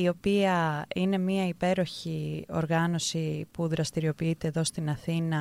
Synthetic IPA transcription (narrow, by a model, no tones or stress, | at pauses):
io̞piɐine̞miɐipe̞ɾo̞çio̞̰ɾɣɐno̞sipuðɾɐst̪iɾio̞piit̪e̞ːðo̞st̪inɐθinɐ